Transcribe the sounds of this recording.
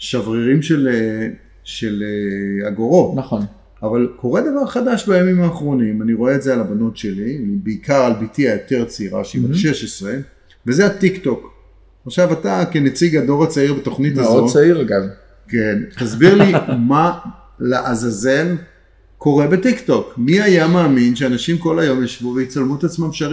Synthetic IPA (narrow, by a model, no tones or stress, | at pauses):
ʃavʁiʁimʃele | ʃeleaɡo̞ʁo̞naχon | avalko̞ʁe̞d̪avaʁχad̪aʃbajamimaːχʁo̞nimaniʁo̞eːtzealabano̞tʃe̞lilibeikaʁalbitiajo̞t̪e̞ʁt͡siʁa̰ʃibaʃe̞ʃesʁe̞ | vezeat̪ikto̞k | aχʃavatakenet͡siɡado̞ʁat͡saiʁbet̪o̞χnitaoaiʁaɡam | kentazbiʁlima | laʔazazen | kːo̞ʁe̞betikto̞kmiajamaːminʃeanaʃimko̞lajo̞mjaʃvuveit͡salmuet̪at͡smamʃaʁi